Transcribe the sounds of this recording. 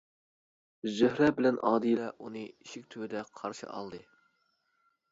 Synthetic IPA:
zøhɾɛbɪlɛnʔɑ̰ːd̪ɨjlɛʔunɨiʃikʲt̪ʰywɪd̪ɛqʰɑɾʃɨ̰ʔɑ̰lˠd̪ɨ

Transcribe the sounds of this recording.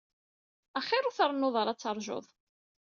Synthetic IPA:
æχːɪɾʊθəɾˤnːoðˤɑɾˤɑt͡sːɑɾˤʒo̰ðˤ

